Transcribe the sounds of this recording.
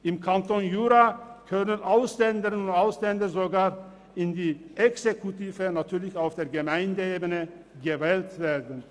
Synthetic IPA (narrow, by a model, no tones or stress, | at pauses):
ʔɪmkʰantonjuːʁakʰœnənʔaʊslɛndəʁənʊntaʊslɛndɐzoɡaːʁ | ɪndiːʔɛksekʰutiːvənatʰyːɐlɪçaʊfd̥eːɐɡəmaɪndəeːbənə | ɡəvɛːltv̥eːɐdn̩